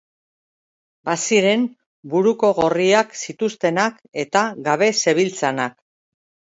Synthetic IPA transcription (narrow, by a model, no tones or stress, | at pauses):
basiɾe̞m | buɾuko̞ɣo̞riaksit̪ust̪e̞nak | e̞t̪aɡaβe̞se̞β̞ilt͡sanak